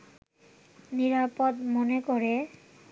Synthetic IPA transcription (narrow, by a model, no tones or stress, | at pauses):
niɾapod̪monekɔɾe